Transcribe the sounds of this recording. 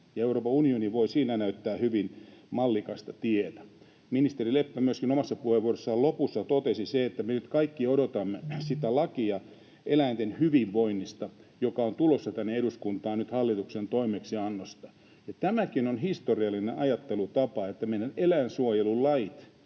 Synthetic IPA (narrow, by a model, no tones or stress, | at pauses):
jɑeuroːpɑunioniʋoisiːnænæyt̪ːæːhyʋinmɑlːikɑst̪ɑt̪iet̪æ̥ | minist̪erilepːæmyøskinomɑsːɑpuheʋʋuoresːɑlopusːɑt̪ot̪esiseet̪ːæmenyt̪kɑikːiodot̪ɑmːesit̪ælɑkiɑ | ʔelæint̪enhyʋiʋʋoinːist̪ɑjokɑont̪ulosːɑt̪ænːeeduskunt̪ɑːnnyt̪hɑlːit̪uksent̪oimeksiɑnːost̪ɑ | jɑt̪æmækinonhist̪oriɑlːineʔɑjɑt̪ːelut̪ɑpɑet̪ːæmeidɑnelænsuojelullɑit̪